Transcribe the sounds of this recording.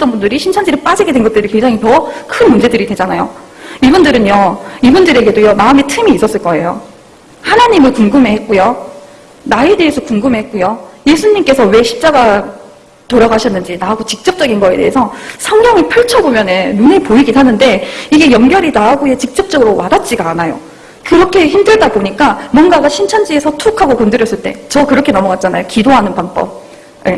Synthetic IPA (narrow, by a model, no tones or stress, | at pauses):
d͈ʌnbundɯɾiɕʰint͡ɕʰʌnd͡ʑiɾɯɭp͈ad͡ʑiɡedwe̞nɡʌt͈ɯɾikwe̞ŋd͡ʑaŋipʌkʰɯnmund͡ʑe̞dɯɾidwe̞d͡ʑanajo̰ | ibundɯɾɯnjʌibundɯɾe̞ɡe̞dojʌmaɯmetʰɯmiːs͈ʌs͈ɯɭk͈ʌe̞jo | hanaɲimɯɭkuŋɡɯmehet̚k͈ojo | nae̞de̞ɦesʰʌkuŋɡɯmeɦet̚k͈ojoje̞sʰuɲimk͈e̞sʰʌwe̞ɕʰi̥p̚t͡ɕ͈aɡa | toɾaɡaɕʰʌnːɯnd͡ʑinaaɡot͡ɕik̚t͡ɕ͈ʌp̚t͡ɕ͈ʌɡinɡʌe̞̰t͈e̞ɦesʰʌsʰʌŋɡjʌŋipʰɯɭt͡ɕʰʌbomjʌnenunepoiɡisʰanɯnde̞iɡe̞jʌŋɡjʌɾinaaɡoje̞t͡ɕik̚t͡ɕ͈ʌp̚t͡ɕ͈ʌɡɯɾowadat̚t͡ɕ͈iɡaːnajo̰ | kɯɾʌkʰe̞çimdɯɭdaboɲik͈amwʌnɡaɡaɕʰint͡ɕʰʌnd͡ʑie̞sʰʌtʰukʰaɡokʌndɯɾjʌs͈ɯɭt͈e̞̰t͡ɕʌkɯɾʌkʰe̞nʌmʌɡat̚t͡ɕ͈anajokidoɦanɯnpaŋbʌ̰b̚ | je̞